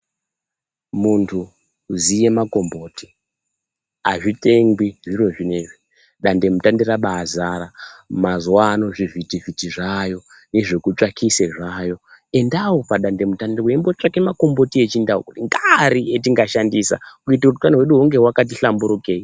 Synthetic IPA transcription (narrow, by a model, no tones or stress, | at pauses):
muntʰu | zije̞mako̞mbo̞ːti̥ | aʐite̞ŋɡwiʐiɾo̞ʐineʐi | ɗande̞mutandiraɓaːzaːɾamazwano̞ʐivitivitiʐajo̞ | ne̞ʐe̞kut͡ʂakʰiseʐajo̞e̞ndawopaɗande̞mutandiwembot͡ʂake̞mako̞mbo̞tiet͡ʃindawokutiŋɡaɾietiŋɡaʃandisa̰kuitauukaniweɗuɦuŋɡe̞wakat̬iɬambuɾukei